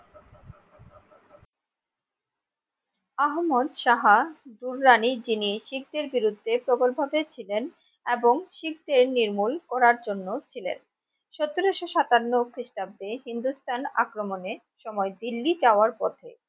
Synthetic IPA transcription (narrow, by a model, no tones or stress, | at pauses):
aɦmod̪ʃaɦad̪uɾːanid͡ʑiniʃik̚d̪eɾbiɾud̪ʱːepɾobolbʱabet͡ɕʰilen | eboŋʃik̚d̪eɾniɾmulkɔɾaɾd͡ʑonːot͡ɕʰilḛn | ʃɔt̪ːoɾoʃoʃat̪anːokɾiʃʈ̪ab̚d̪eɦind̪ust̪ʰana̰kɾomone | ʃɔmɔed̪ilːid͡ʑaoaɾpɔt̪ʰḛ